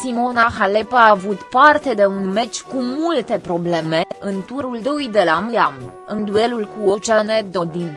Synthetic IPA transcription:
simo̞naxalepaːvut̪part̪e̞d̪e̞unme̞t͡ʃʲkumult̪e̞pɾo̞ble̞me̞ɨnt̪uɾuld̪ojd̪elamɨjam | ɨnd̪ue̞lulkuot͡ʃaned̪od̪in

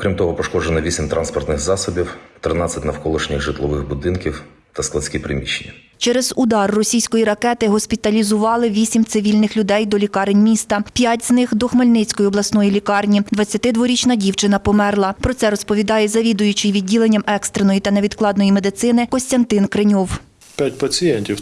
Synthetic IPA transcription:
ɔkɾʲimt̪ɔɦɔpɔʃkɔd͡ʒenɔʋʲisʲimt̪ɾʔɑ̰nspɔrt̪nɪxzɑsɔbʲiwt̪ɾɪnɑt͡sʲːɐtʲnɐwkɔlˠʊʃnʲɪxʒɪt̪lˠɔʋɪxbʊd̪ɪnkʲiw | t̪ɐsklˠɐsʲkʲipɾɪ̰mʲiʃːḛnʲːɐ | t͡ʃɛɾɛzʊd̪ɑrːɔsʲijsʲkɔjiɾɐkɛt̪ɪɦɔsʲpʲit̪ɐlʲizʊʋɑlˠɪʋʲisʲimt̪sɪʋʲilʲnɪxlʲʊd̪ɛjd̪ɔlʲikɑɾenʲmʲist̪ɐpʲjatʲznɪxd̪ɔxmɐlʲnɪt͡sʲkɔjiɔblˠɐsnɔjilʲikɑrnʲid̪ʋɐt͡sʲːɐt̪ɪd̪ʋɔɾʲit͡ʃnɐdʲiwt͡ʃɪnɐpɔmɛrlˠɐpɾɔt̪sɛɾɔspɔʋʲid̪ɑjɛzɐʋʲid̪ʊjʊt͡ʃɪjʋʲid̚ʲːilˠenʲːɐmɛkst̪ɾenɔjit̪ɐneʋʲid̪klˠɑd̪nɔjimed̪ɪt̪sɪnɪkɔsʲt̪ʲɐnt̪ɪnkɾenʲɔw | pʲjatʲpɐt͡sʲijɛnʲtʲiw

